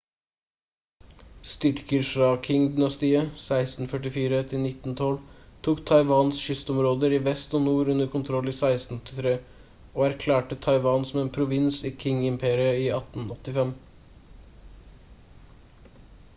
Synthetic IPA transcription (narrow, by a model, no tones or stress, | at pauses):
st̪ʏɾkəɾfɾɑːkʰɪŋd̪ʏnɑst̪iːəsæɪst̪n̩fœʈɪfiːɾət̪ʰɪlnɪt̪n̩t̪ʰɔlt̪ʰuːkt̪ʰɑɪʋɑːnsʃʏst̪ɔmɾoːd̪əɾiːʋɛst̪oːnuːɾʉnəɾkʰʊnt̪ʰɾɔliːsæɪst̪n̩ɔt̪ʰɪ̥t̪ʰɾeː | oːæɾkʰlæːʈət̪ʰɑɪʋɑːnsɔmeːnpʰɾʊʋɪnsiːkʰɪŋɪmpʰeːɾɪəiːɑt̪n̩ɔt̪ɪfɛm